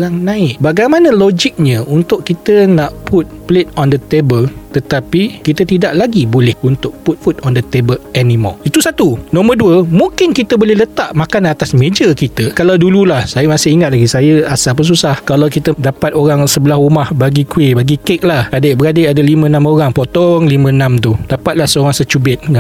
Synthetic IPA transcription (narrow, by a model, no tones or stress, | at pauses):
ɾaŋnãɪʔ̚baɡajmãnə̃lod͡ʒɪk̚ɲə̃unt̪ʊʔkːit̪ənaʔpʰut̪̚plɪt̪̚ɔndət̪ebəlt̪ət̪apikit̪ət̪idaʔlaɡibolɛhunt̪ʊk̚put̪̚fut̪̚ɔndət̪ebəlɛnĩmɔ̰it̪usat̪unɔ̃mərduəmũŋkɪnkit̪əbolɛhlət̪aʔmakanat̪asmẽd͡ʒəkit̪əkalawdululahsajamasɪhiŋat̪̚laɡisajəasapəs̬usahkalawkit̪ədapat̪oɾaŋsəbəlahumahbaɡikwɪbaɡikek̚lahadebəɾadeadalimə̃nãmoɾaŋpot̪ɔŋlimə̃nãmt̪ud̥apat̪̚lahsəoɾaŋsət͡ʃubɪt̪̚ŋa